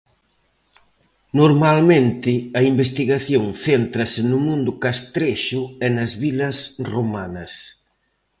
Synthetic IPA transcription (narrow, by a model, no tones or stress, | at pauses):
noɾmalmẽnt̪ɪɐimbest̪iɣaθjoŋθent̪ɾɐsɪnʊmũnd̪ʊkast̪ɾeʃʊɛnɐzβilɐsromanɐs